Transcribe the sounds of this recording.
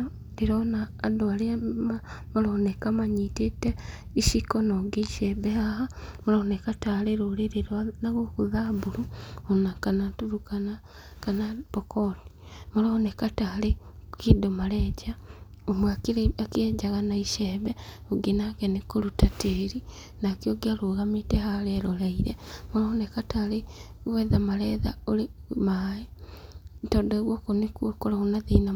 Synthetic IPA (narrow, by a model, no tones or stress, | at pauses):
iɾonaːdwalemamoɾonekamaɲiteteiʃikonoɡiiʃeβehahamoɾonekataleɾoliɾeɾanaɣwokuðabuɾuonakanatuɾukana | kanapokoti̥moɾonekataːlekidomaɾɛd͡ʒa | omwakakeɛd͡ʒaɣanaiʃɛβɛoɡenakɛnekoɾutateːɾi | nakjoɡiaɾoːɣametɛhaɾɛɾolaiɾɛmoɾɔonɛkataɾe | wɛðamaɾɛːða̰oɾemae | tɔːdɔeɣwɔkonikwokoɾaonaðina